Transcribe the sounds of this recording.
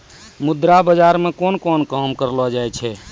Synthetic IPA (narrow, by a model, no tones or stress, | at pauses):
mud̪ɾabəd͡ʒaɾmekonkɔnkəɦmkəɾlɔd͡ʒajt͡ʃʰɛ